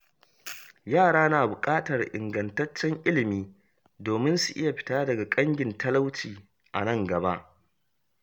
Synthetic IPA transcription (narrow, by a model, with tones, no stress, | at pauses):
jaː˦˨ɽaː˦naː˨bʊ˨kʼaː˦tɐ˨rʔɪ̰˨ŋɡɐ˨ntɐ˦t͡ʃːɛ˦ŋʔɪ˦lɪ˨miː˦ | doː˨mɪ˦nsu˨ʔɪ˦ja˨ɸɪ̥˦taː˦dɐ˨ɡa˨kʼɐ˦ŋɡʲɪ˨ntɐ˦la˦wt͡ʃiː˨ | ʔa̰˨nɐ˦˨ŋɡɐ˨ba˦ʔ